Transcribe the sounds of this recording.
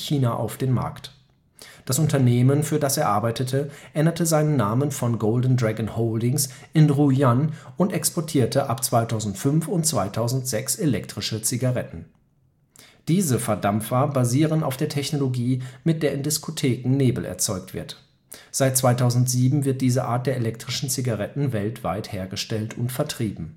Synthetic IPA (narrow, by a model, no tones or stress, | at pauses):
çiːnaʔa̰ʊfd̥eːnma̰ɐkt | d̥asʔʊntɐneːmənfyːɐdasɛːɐʔaɐbaɪtətʰəʔɛndətʰəzaɪnənːaːmənfɔnɡoʊldn̩dʁɛɡn̩hoʊldɪŋsʔɪnʁujanʊntʔɛkspɔɐtʰiːɐtʰəʔapt͡sv̥aɪtʰaʊzn̩tfʏnfʊntt͡sv̥aɪtʰaʊzn̩tz̥ɛkselɛk̚tʁ̥ɪʃət͡siɡaʁɛtn̩ | d̥iːzəfɛɐdamfabaziːʁəna̰ʊfd̥eːɐtʰɛçnoloɡiːmɪt̚d̥eːɐɪndɪskotʰeːkŋ̩neːbl̩ʔɛ̰ɐt͡sɔʏk̚tv̥ɪ̰ɐt | z̥aɪt̚t͡sv̥aɪtʰaʊzn̩tz̥iːbm̩vɪɐt̚d̥iːzəʔa̰ːɐt̚d̥eːɐelɛktʁ̥ɪʃn̩t͡siɡaʁɛtn̩vɛltv̥a̰ɪtheːɐɡəʃtɛltʰʊntfɛɐtʁ̥iːbm̩